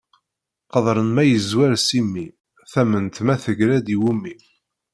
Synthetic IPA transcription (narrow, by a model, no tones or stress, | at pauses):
qəðˤɾˤənmæjəzwæɾsimːi | θæmənt̪mæθəʝɾæd̪iwumːi